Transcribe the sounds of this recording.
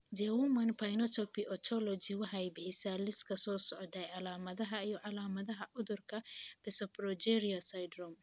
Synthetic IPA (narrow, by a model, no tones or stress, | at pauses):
d͡ʒɛwumɐnpʰɐjnɔt̪ʰɔpiʔɔt̪ʰɔlɔd͡ʒiwɑħɑjbɪħɪsaːlɪskʰɐsɔːsɔʕɔd̪ɛjʕɑlaːmɐðɐɦɐijɔʕɑlaːmɐðɐɦɐʔʊðʊrkʰɐb̥ɛsɔpɾɔd͡ʒɛɾiɐsajd̪ɾɔm